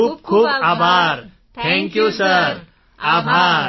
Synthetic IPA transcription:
ub̚kʰuːbaːbʱaɾ | t̪ʰɛ̃ŋkjusəɾ | aːbʱaːɾ

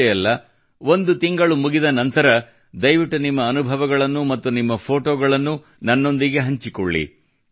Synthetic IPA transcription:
jɐlːɐ | ʋo̞nd̪ut̪iŋɡɐɭumuɡid̪ɐnɐnt̪ɐɾɐ | d̪ɐjʋiʈːunimːɐːnubʱɐʋɐɡɐɭɐnːumɐt̪ːunimːɐpʰo̞ːʈoːɡɐɭɐnːu | nɐnːo̞nd̪iɡe̞ɦɐɲt͡ʃikɔɭːḭ

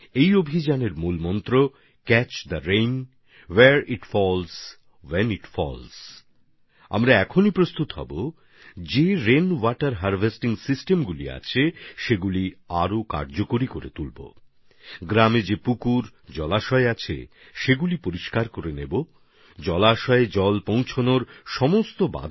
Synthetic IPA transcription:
ejobʱid͡ʑaneɾmulmɔnt̪ɾo | kɛt͡ɕd̪əɾejn | weɾiʈfɔls | weniʈfɔ̰ls | a̰mɾaɛkʰonipɾost̪ut̪ɦɔ̰bo | d͡ʑeɾenwɔʈaɾɦaɾvʱesʈiŋsisʈemɡulḭa̰t͡ɕʰeʃeɡuliaɾoka̰ɾd͡ʑokoɾikoɾḛt̪ulbo̰ | ɡɾamed͡ʑepukuɾd͡ʑɔlaʃɔeat͡ɕʰḛ | ʃeɡulipoɾiʃkaɾkoɾenebo | d͡ʑɔlaʃɔed͡ʑɔlpõw̃t͡ɕʰonoɾʃɔmost̪oba̰d̪ʱ

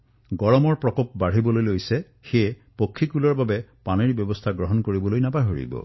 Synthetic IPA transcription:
ɡɔɹɔmɔɹpɹɔkop̚baɹ̤ibɔlojlojsɛ | xe | pokʰːikulɔɹbabɛpaneɹbjɔbɔst̪ʰaɡɹɔɦɔnkoɹibɔlojnapaɦoɹḭbɔ̰

